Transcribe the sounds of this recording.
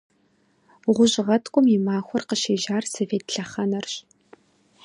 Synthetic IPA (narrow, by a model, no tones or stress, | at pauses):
ʁʷʊʑʁɐtʰkʷʼʊmimaːxʷɔrqəʃeːʒaːrsoveːtɬɐχɐnɐrɕ